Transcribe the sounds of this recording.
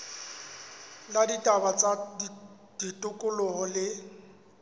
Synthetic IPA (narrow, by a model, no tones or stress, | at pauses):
laditʼabat͡sʼa | d̥itʼʊkʼʊlʊhɔlɪ